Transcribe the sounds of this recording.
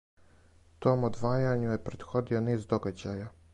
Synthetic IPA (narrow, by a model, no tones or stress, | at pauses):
t̪oːmod̪ʋaːjaɲujepɾed̪xod̪ioniːzd̪oɡad͡ʑaja